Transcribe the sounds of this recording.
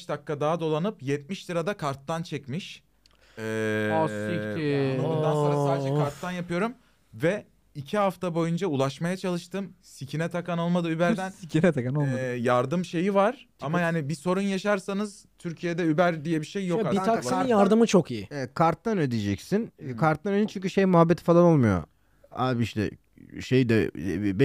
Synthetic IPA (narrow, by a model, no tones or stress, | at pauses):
ʃd̪akːad̪aːad̪o̞lˠanɯpjɛt̪̚miʃliɾad̪akʰaɾt̪ːant͡ʃʰɛcmiʃ | ɛː | ounansaːd͡ʒɛkʰaɾt̪ːanjapʰɯjo̞ɾum | vɛ | icʰiɦaft̪ʰabo̞jund͡ʒaulˠaʃmajat͡ʃʰalˠɯʃt̪ɯmsicʰinɛt̪ʰakano̞lˠmad̪ɯybæɾd̪ænicʰinɛt̪ʰakanolmjaɾd̪ɯmʃe̞jivaɾ̥amajaːnibiso̞ɾunjaʃaɾsanɯz̥t̪ʰyɾcʰijed̪ɛybæɾd̪ijɛbiʃejːo̞kaiaksˠajaɾd̪ɯmɯt͡ʃʰokijieɛt̪̚kʰaɾt̪ːanød̪ijd͡ʒɛcsinkʰaɾt̪ːanød̪int͡ʃʰyɲʲcyʃejmuɦabːet̪ʰi̥falˠano̞lˠmujo̰ | a̰ːbiiʃt̪ʰɛ̰ | ʃejd̪ɛ̰b